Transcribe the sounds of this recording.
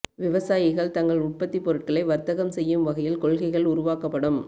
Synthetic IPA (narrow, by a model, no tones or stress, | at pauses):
ʋɪʋɐsaːjɪɣɐɭt̪ɐŋɡɐɭʊʈ̚pɐt̪ːipːɔɾɯʈ̚kɐɭɐɪʋɐɾt̪ɐɣɐmsɛjːɯmʋɐɣɐjɪlkɔɭɣɐɪɣɐɭʊɾʊʋaːkɐpːɐɽɯm